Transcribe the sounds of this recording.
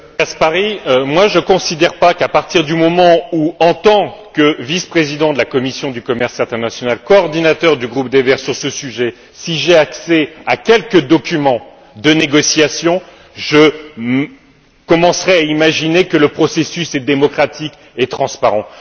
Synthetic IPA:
kaspaʁiømwaʒəkɔ̃sid̪ɛʁpakapaʁt̪iʁd̪ymɔmɑ̃uɑ̃t̪ɑ̃kəvispχezid̪ɑ̃d̪əlakɔmisjɔ̃d̪ykɔmɛʁsɛ̃t̪ɛʁnasjɔnalkɔːʁd̪inat̪œʁd̪yɡʁupd̪evɛʁsyʁsəsyʒɛ | siʒeaksɛakʲɛlkəd̪ɔkʲymɑ̃ | d̪əneɡɔsjasjɔ̃ | ʒə | kɔmɑ̃sʁɛaimaʒinekələpχɔsesysɛd̪emɔkχat̪ʰik | ɛt̪χɑ̃spaʁɑ̃

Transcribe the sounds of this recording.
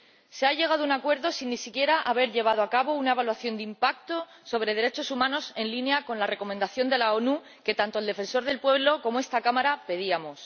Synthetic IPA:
se̞aʎe̞ɣ̞að̞ounakwe̞ɾðo̞sinːisikje̞ɾaʔaβ̞e̞ɾʎe̞β̞að̞oakaβo̞unae̞βalwaθjo̞nd̪impak̚t̪o̞ | so̞βɾe̞ðe̞ɾe̞t͡ʃo̞sumãno̞se̞nlinjako̞nlare̞ko̞mẽnd̪aθjo̞nd̪e̞lao̞nu | ke̞t̪ant̪old̪e̞fe̞nso̞ɾðe̞lpwe̞βlo̞ko̞moe̞st̪akamaɾape̞ðiamo̞s

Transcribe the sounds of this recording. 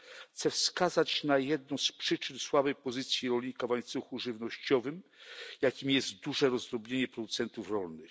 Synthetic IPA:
xt̪sɛfskazat͡ɕnajɛd̪nɔ̃w̃spʂɘt͡ʂɘnswabɛjpɔzɘt̪sʲjiɾɔlʲɲikavaɲt̪suxuʐɘvnɔɕt͡ɕɔvɘmjakʲimʲjɛst̪d̪uʐɛɾɔzd̪ɾɔbɲeɲɛpɾɔd̪ut̪sɛnt̪ufɾɔlnɘx

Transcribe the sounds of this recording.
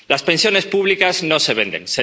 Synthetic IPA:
laspensjone̞spuβ̞likaznoseβ̞ẽnd̪ḛŋse

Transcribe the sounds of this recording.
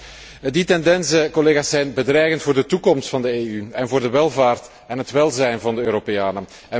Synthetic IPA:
ditɛndɛnsəkɔleːɣaːsːɛjnbədrɛjɣəntfʊːrdətukɔmstfɑndəeːyɛnvʊːrdəʋɛlˠvaːrt | ɛnɦətʋɛlˠzɛjnvɑndəøːɾopejaːnə | ɛ

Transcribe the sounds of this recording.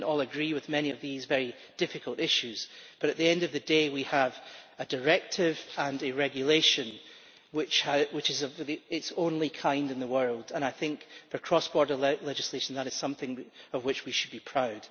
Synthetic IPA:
nɔlˠəɡɹiwɪðmɛñiʌvðizvɛɹi | d̥ɪfɪkʰəlˠtɪʃʉz̥b̥ʌɾɨʔðiɛ̃ndʌvðɨdewiəvədə˞ɛk̚tʰɪvə̃nɨɹɛɡjɨlˠeʃə̃n | wɪt͡ʃhəwɪt͡ʃɨzʌvðiɪtsõnlˠikʰãɪ̃ndɨ̃nðəwɜ˞lˠdə̃ñaɪθɪ̃ŋkfə˞kʰɹ̥ɔsb̥ɔɹdə˞lˠɛd͡ʒɨslˠeʃn̩ðəɾɨz̥sʌ̃mθɪ̃ŋʌvwɪt͡ʃwiʃɨd̚bipʰɹ̥aʊd̥

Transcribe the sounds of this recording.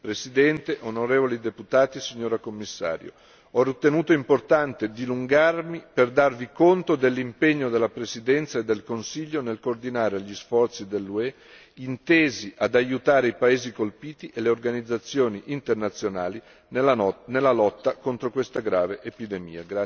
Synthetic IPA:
pɾesid̪ɛnt̪eʔonoɾeːvolid̪eput̪aːt̪isiɲːoːɾakomːisːa̰ːɾjo̰ | ɔrit̪ːenuːt̪oimport̪ant̪ed̪iluŋɡarmiperd̪arvikont̪od̪elːimpeɲːod̪elːapɾesid̪ɛnt̪saed̪ːelkonsiʎːonelkoːrd̪inaːɾeaʎːisfɔrt̪sid̪elːuɛ | int̪eːziʔad̪ajut̪aːɾeipaeːzikolpiːt̪iʔeleorɡanid̪zat̪sːjoːniʔint̪ernat̪sːjonaːli | nnelːalɔt̪ːakont̪ɾokwest̪aɡɾaːveʔepid̪emḭːaɡɾa

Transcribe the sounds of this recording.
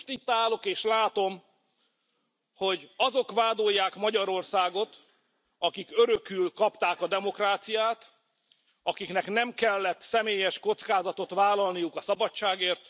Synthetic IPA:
ʃt̪it̪ːaːlo̞keːʃlaːt̪o̞m | ho̞ɟɒzo̞kʋaːd̪o̞jːaːkmɒɟɒɾo̞rsaːɡo̞t̪ | ɒkikøɾøkylkɒpt̪aːkɒd̪ɛmo̞kraːt̪sijaːt̪ | ɒkiknɛknɛmkɛlːɛt̪sɛmeːjɛʃko̞t̪skaːzɒt̪o̞t̪ʋvaːlɒlnijukɒsɒbɒt͡ʃːaːɡeːrt̪

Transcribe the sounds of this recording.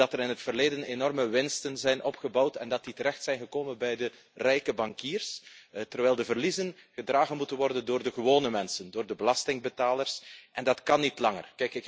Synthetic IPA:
ɑtəɾɪnɦətfərleːdənenɔrməʋɪnstənzɛjnʔɔpχəbɑwtɛndɑt̚ditəɾɛxtsɛjnɣəkoːmənbɛjdə | rɛjkəbɑŋkiːrstərʋɛjlˠdəvərlizənɣədraːɣənmutənʋɔrdəndoːrdəɣəʋoːnəmɛnsəndoːrdəbəlɑstɪŋbətaːlərsʔɛndɑtkɑnːitlɑŋə̰rkɛjkɪk

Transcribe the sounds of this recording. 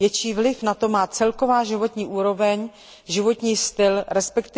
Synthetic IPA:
jɛt͡ʃiːvlɪfnat̪o̞maːt͡sɛlko̞vaːʒɪvo̞t̪ɲiːʔuːɾo̞vɛɲ | ʒɪvo̞t̪ɲiːst̪ɪlɾɛspɛkt̪ɪ

